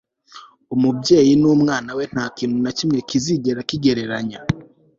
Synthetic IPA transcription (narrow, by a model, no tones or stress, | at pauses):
umubɟe̞ːjinumŋaːnawe̞n̥haːkiːnhunacimŋe̞kiziɟe̞ɾakiɡe̞ɾe̞ɾaɲa